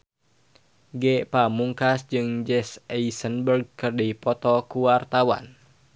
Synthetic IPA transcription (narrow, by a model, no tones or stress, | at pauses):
ɡɛpamuŋkasd͡ʒɨŋd͡ʒɛsɛisənbərɡ̚kərdiipɔt̪ɔkuwart̪awa̰n